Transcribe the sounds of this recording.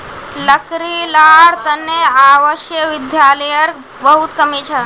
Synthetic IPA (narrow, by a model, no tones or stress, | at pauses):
lɐkɾilaːɽt̪ɐnːeaːʋəʃjəʋɪd̪jaːlɐjəɾ | bɐɦut̪kɐmit͡ʃʰɐ